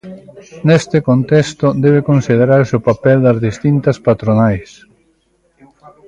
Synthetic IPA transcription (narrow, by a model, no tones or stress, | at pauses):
nɛst̪ɪkont̪ɛst̪od̪ɛβ̞ekonsið̞eɾaɾsɪopapɛld̪ɐzðist̪int̪ɐspat̪ɾonajs